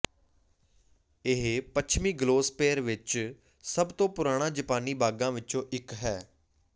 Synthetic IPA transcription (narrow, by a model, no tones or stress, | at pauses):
ɪɦpət͡ʃʰmiːɡloːspeːɾʋɪt͡ʃ | səbt̪õːpʊɾaːɽ̃ãːd͡ʒəpaːniːbaːɡãːʋɪt͡ʃõːʔɪkɦɛː